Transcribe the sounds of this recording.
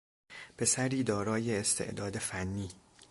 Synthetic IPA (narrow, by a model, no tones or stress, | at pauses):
pʰe̞sæɾiːd̪ɒːɾɒːje̞ːst̪ʰe̞̰ʔd̪ɒːd̪efænːiː